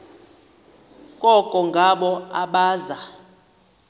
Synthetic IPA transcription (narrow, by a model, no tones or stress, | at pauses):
kʼɔkʼɔŋɡʱaɓɔaɓaːza